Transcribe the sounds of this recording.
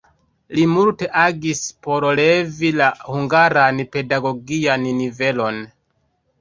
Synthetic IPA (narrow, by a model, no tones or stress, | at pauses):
limulte̞ʔaɡispo̞ɾle̞vilahuŋɡaɾanpe̞daɡo̞ɡiannive̞lo̞n